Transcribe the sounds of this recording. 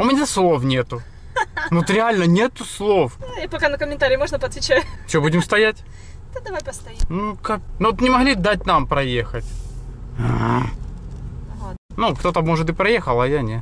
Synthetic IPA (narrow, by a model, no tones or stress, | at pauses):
ʊmʲɪnʲaslˠo̞fnʲet̪ʊ | not̪ɾʲɪalʲnənʲet̪ʊslˠo̞fipɐkanəkəmʲɪnt̪aɾʲɪjmo̞ʐnəpɐt̪vʲɪt͡ɕæjʊfsʲobudʲɪmst̪ɐjætʲ | t̪ad̪ɐvajpəst̪ɐimnukaknoot̪nʲɪmɐɣlʲid̪at̚ʲnampɾɐje̞xət̩ʲ | nukt̪o̞t̪əmo̞ʐɨt̪ɨpɾɐjexəlˠɐjanʲe